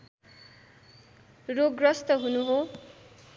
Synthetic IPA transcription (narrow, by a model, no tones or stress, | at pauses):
roɡrʌst̪ʌɦunuɦo